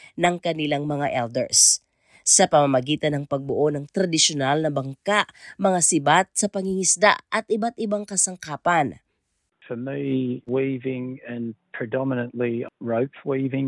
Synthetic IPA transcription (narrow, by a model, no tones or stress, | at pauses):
nɐŋkɐnɪlaŋmɐŋaʔɛld̪ɛɹsː | ɐpɐmɐmɐɡiːt̪ɐnɐŋpɐɡ̚bʊʔonɐŋt̪ɾɐd̪ɪʃonalnɐbɐŋkaʔmɐŋasɪbat̪̚sɐpɐŋiŋɪsd̪a̰ʔʔɐt̪ɪbat̪̚ʔɪbaŋkɐsɐŋkaːpɐn | fəmiwiːvɪ̃ŋɨ̃npʰɹ̥ɨdɑmɪnə̃nʔliɹoʊpwiːvɪ̃ŋ